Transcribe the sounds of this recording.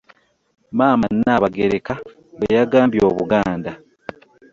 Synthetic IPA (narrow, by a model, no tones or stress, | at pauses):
maːmaninaβaɡeɾeka | βajaɡaːmbjo̞ːβuɡaːnda